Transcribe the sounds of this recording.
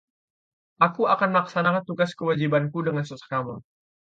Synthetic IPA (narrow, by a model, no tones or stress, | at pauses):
ʔakuakanmlaksanakant̪uɡaskəwad͡ʒibankudəŋansəsə̥kamɔn